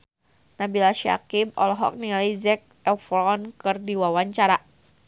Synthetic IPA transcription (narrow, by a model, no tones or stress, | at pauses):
nabilaʃia̰kimɔ̰lɔɦɔ̰k̚niŋalizɛk̚ɛfɾɔnkɨrdiwawaɲt͡ʃaɾa